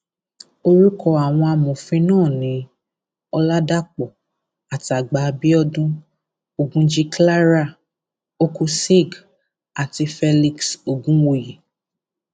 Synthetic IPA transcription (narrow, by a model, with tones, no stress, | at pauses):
o˦ɾi˦kɔ˧a˨w̃ɔ̃˧a˧mɔ̃˨fĩ˧nãː˦˨nĩ˨˦ | ɔ˧la˦da˦k͡pɔ˨ | a˨ti˨a˨ɡ͡ba˨˧bi˦ɔ˧dũ˦ | o˦ɡũ˦d͡ʒi˦kla˦ɾa˦˨ | o˦ku˦si˦˨ɡ | a˨ti˧fɛ˧li˧kso˨ɡũ˦wo˧ji˨